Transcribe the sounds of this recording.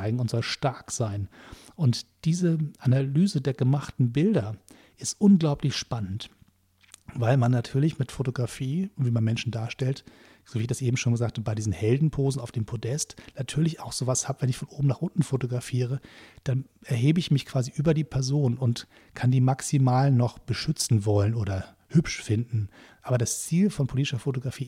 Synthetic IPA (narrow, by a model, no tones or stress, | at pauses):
ɪɡŋ̩ʊntz̥ɔlʃtaɐkz̥aɪnʔʊntd̥iːzəʔanalyːzədeːɐɡəmaχtn̩bɪldɐ | ʔɪstʔʊnɡlaʊpʰlɪçʃpanənt | vaɪlmanːatʰyːɐlɪçmɪtfotoɡʁafiːviːmanmɛnʃn̩daːɐʃtɛlt | z̥oːviɪçd̥asʔeːbm̩ʃoːnɡəzaːk̚tʰb̥aɪdiːzn̩hɛldn̩pʰoːzn̩aʊfd̥eːmpʰodɛstnatʰyːɐlɪçaʊxz̥oːvashaːbəvɛnɪçfɔnʔoːbm̩naːχʔʊntn̩fotoɡʁafiːʁ̞əd̥anʔɛɐɦeːbəɪçmɪçkʰv̥aːziʔyːbɐdiːpʰɛɐzoːnʊnt | kʰandiːmaksimaːlnɔχb̥əʃʏt͡sn̩vɔlənoːdɐ | hʏpʃfɪndn̩ʔaːbɐdast͡siːlfɔnpʰoliːtɪʃɐfotoɡʁafiː